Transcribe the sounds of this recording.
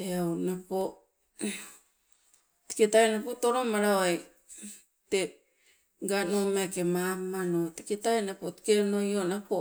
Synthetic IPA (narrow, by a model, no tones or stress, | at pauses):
eawnapo | ti̥ketaenapotoɾomaɾaoaj | te | ɡanomaakemamanoti̥ketajnapoti̥keno̞jonapo